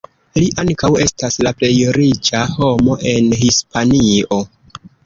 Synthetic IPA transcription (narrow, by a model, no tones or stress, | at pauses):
liʔaŋkawe̞staslaple̞jɾit͡ʃaho̞mo̞ʔe̞nhispanio̞